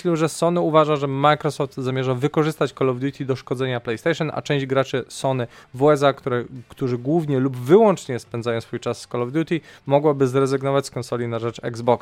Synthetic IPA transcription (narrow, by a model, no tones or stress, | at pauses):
ɕlɛʐɛsɔnɘuvaʐaʐɛmajkɾɔsɔft̪zamʲjɛʐavɘkɔʐɘst̪at͡ɕkɔlɔvd̪jut̪ʰʲid̪ɔʂkɔd̪zɛɲaplɛjst̪ɛjʂɔnʔa̰t͡ʂɛ̃w̃d͡ʑɡɾat͡ʂɘsɔnɘvuɛzakt̪uɾɛkt̪uʐɘɡwuvɲɛlubvɘwɔnt͡ʂɲɛspɛnd̪zajɔ̃w̃sfujt͡ʂasːkɔlɔvd̪jut̪ʲimɔɡwabɘzɾɛzɘɡnɔvat͡ɕʲskɔnsɔlʲinaʐɛt͡ʂɛ̰ɡzbɔks